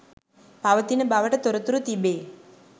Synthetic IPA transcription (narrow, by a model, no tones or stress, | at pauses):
paʋɐt̪inɐbaːʋɐʈɐt̪ɔɾɐt̪ːuɾut̪ibeː